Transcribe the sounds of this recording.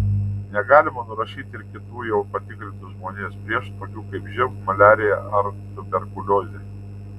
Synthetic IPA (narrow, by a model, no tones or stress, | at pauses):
nʲɛɡɑːlʲɪmɐnʊɾɐʃʲiːt̪ʲɪɾkʲɪt̪uːjɛʊpɐt̪ʲɪkɾʲɪnt̪ʊʒmoːnʲeːspʲɾʲiɛʃt̪oːkʲuːkɐɪpʒʲɛmumɐlʲæːɾʲɪjɛʔɐɾt̪ʊbʲɛɾkʊlʲoːzʲe